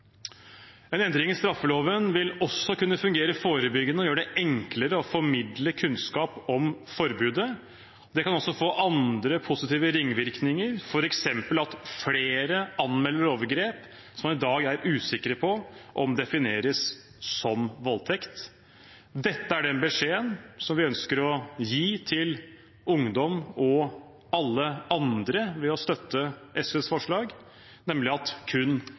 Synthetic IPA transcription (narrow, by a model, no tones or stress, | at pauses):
ɛnɛnd̪ɾɪŋɪst̪ɾɑfːəloːʋənʋɪlɔsːɔkʉnːəfʉŋɡeːɾəfoːɾəbʏɡːənəɔjøːɖɛʔɛŋkləɾəɔfɔɾmɪd̪ləkʰʉnskɑːpɔmfɔɾbʉːd̪ə | d̪ɛkɑnɔsːɔfoːʔɑnd̪ɾəpʰʊsɪt̪iːʋəɾɪŋːʋɪɾknɪŋəɾfɔɾɛksɛmpəlɑt̪fleːɾəʔɑnmɛlːəɾoːʋəɾɡɾeːp | sɔmɑnɪd̪ɑːɡæɾʉːsɪkːɾəpʰɔʔɔmd̪ɛfɪneːɾəs | sɔmʋɔlːt̪ʰɛkt̪ | d̪ɛt̪ːəæɖɛnbəʂeːənsɔmʋɪœnskəɾɔjiːt̪ʰɪl | ʊŋd̪ɔmɔ | ɑlːəɑnd̪ɾəʋɛɔst̪œt̪ːəʔɛsɛsfɔʂɭɑːɡ | nɛmlɪɑt̪kʰʉnː